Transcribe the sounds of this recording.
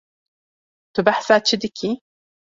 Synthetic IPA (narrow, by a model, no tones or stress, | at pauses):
t̪ʊbaħsat͡ʃːɪd̪ɪkʰi